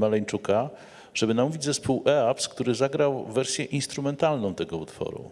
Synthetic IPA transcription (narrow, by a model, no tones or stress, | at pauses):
malɛɲt͡ʂuka | ʐ̥ɛbɘnamuvʲid͡ʑzɛspuwʔɛapskt̪uɾɘzaɡɾawvɛɾsʲjɛʔinst̪ɾumɛnt̪alnɔ̃w̃t̪ɛɡɔut̪fɔ̰ɾṵ